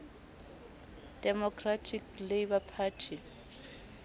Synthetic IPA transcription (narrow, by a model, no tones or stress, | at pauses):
d̥ɛmɔkʰʼratʰiklebapʰaːtʰi